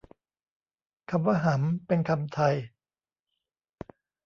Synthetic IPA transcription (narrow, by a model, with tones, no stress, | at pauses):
kʰa˧mwaː˧ɦa˩˦mpe˧nkʰa˧mt̪ʰa˧j